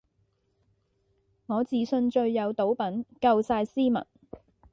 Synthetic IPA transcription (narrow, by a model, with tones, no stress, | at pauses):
ŋɔː˨˧t͡siː˨sɵ˧nt͡ʃɵ˧ɥːɐ˨˧wt̪o˨˥wpɐ˨˥nkɐ˧wsaː˧jsiː˥mɐ̰˨˩n